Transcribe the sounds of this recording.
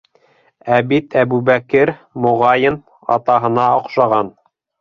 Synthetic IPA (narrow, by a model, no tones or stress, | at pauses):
æbit̪ʰæbuβækɘɾmŏʁɑjɤn | ɑ̰t̪ɑɦɤ̆nɑŏqʃɑʁɑn